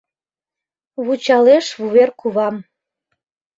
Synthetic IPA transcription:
βut͡ɕɑleʃβuβerkuβɑm

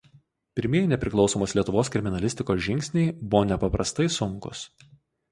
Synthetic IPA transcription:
pʲɪɾʲmʲiɛjnʲɛpʲɾʲɪklˠɒʊsoːmoːslʲiɛt̪ʊʋoːskɾʲɪmʲɪnɐlʲɪsʲt̪ʲɪkoːsʒʲɪŋʲkʲsʲnʲɛɪbʊʋoːnʲɛpɐpɾɐst̪ɐɪsʊŋkʊ̰s

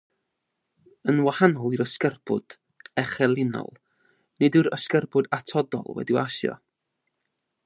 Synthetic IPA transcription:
ənwahanɔlˠiɾəskərb̥ʊ̰d̥ | ɛχɛlˠɪnɔ̰lˠ | nɨdɨɾəskərbʊdatʰɔdɔ̰lˠwɛ̰diwaʃjɔ̰

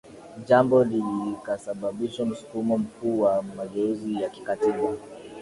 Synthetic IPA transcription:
ʄambɔlilikasaɓaɓiʃam̩su̥kumɔm̩kuːwamaɡɛuzijaki̥katiɓa

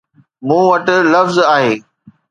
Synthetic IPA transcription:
mũːʋɐʈ̆lɐfzaːɦeː

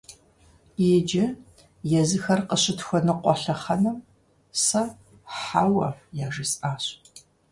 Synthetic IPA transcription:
eːd͡ʒɪ | jɛzɨxɐrqəɕɪtxʷɔnɨqʷɔɬɐχɐnɐm | sɐ | ħaːwɐjaːʒisʼaːɕ

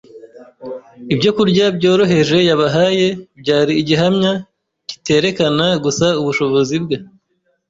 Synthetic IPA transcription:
ibɟo̞kuɾɟabɟo̞ːɾo̞ɦe̞ʒe̞jaβaɦaje̞bɟaːɾiːɟiɦamɲa | ci̥te̞ːɾe̞kanaɡusauβuʃo̞βo̞zibɡa

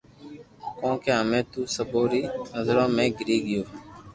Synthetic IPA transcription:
kõːkeːɦəmẽːt̪uːsəboːɾiːnəzɾõːmẽːɡɪɾiːɡɪjoː

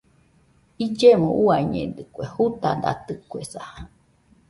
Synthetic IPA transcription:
id͡ʒemõʔuaiɲḛ̃d̪ɨkʷehut̪ad̪a̰t̪ɨkuesaha

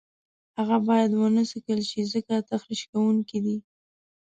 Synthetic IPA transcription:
haɣabɑjad̪wənəsəkəlʃizəkat̪axɾiʃkawuŋkid̪i

